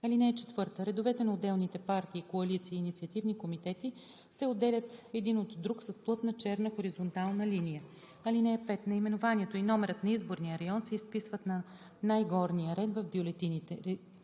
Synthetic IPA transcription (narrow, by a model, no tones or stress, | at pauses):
ɐlinɛɛt͡ʃɛ̥t̪vɤɾt̪əɾɛd̪ʊvɛt̪ɛnɐod̪ːɛlˠnit̪ɛpaɾt̪iːkoɐlit̪siːnit̪siɐt̪ivnikomit̪ɛt̪i | sɛod̪ːɛlʲət̪ɛd̪inot̪ːɾuksɐsplˠɤt̪nət͡ʃɛɾnəxoɾizont̪alˠnəlinijə | ɐlinɛɛpɛt̪nɐimɛnʊvanʲiɛt̪oinɔmɛɾət̪nɐizboɾnijəɾɐjɔnsɛispisvət̪nɐ | najɡɔɾniəɾɛd̪vɐvbjolɛt̪init̪ɛ